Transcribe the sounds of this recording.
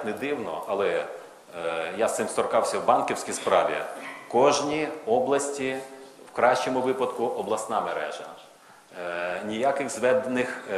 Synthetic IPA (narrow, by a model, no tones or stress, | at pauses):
nɛd̪ɪwnɔ̰ʔɐlˠɛ | jasɪmst̪ɔrkɑwsʲɐwbɑnkʲiwsʲkʲispɾɑ̰ʋʲḭkɔʒnʲiɔblˠɐsʲtʲi | wkɾɑʃt͡ʃɔmʊʋɪpɐd̪kʊʔɔblˠɐsnɑmeɾɛ̰ʒɐ | nʲijakɪɣzʋɛd̪enɪx